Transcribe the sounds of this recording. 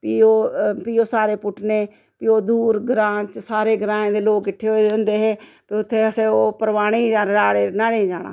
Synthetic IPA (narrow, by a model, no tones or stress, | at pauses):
piːoːpiːoːsaːɾeːpʊʈʰneː | piːoːd̪uːɾɡɾãːt͡ʃsaːɾeːɡɾãːẽːd̪eːloːkːɪʈʰːeːɦoeõːnd̪eːɦeː | piʊt̪ʰːeːəsẽːoːpəɾʋaːɽ̃iːd͡ʒaːɽaːɽeːnaːɽẽːd͡ʒaːɽ̃a̰ː